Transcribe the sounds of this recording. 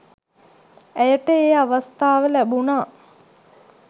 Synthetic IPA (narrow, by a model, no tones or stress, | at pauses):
æjəʈəeːaʋast̪aːʋəlæbunaː